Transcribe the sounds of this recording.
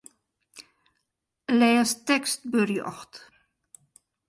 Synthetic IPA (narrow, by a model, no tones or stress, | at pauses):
lɛːəstɛkst̚børjɔ̰xt